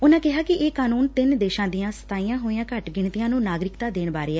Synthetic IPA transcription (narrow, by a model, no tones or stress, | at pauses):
ʊnãːkɪɦaːkɪʔeːkaːnuːnt̪ɪnd̪eːʃãːd̪ijãːsə̥t̪aːijãːɦoːiãːkəʈɡɪɳt̪ɪjãːnũːnaːɡɾɪkt̪aːd̪eːɳbaːɾeːɛː